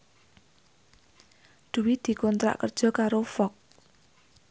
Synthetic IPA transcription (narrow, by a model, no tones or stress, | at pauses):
d̪̥ṳwid̪̥i̤kɔnt̪ɾa̰ʔkərd̥ʒ̥ɔ̤kaɾofɔk̚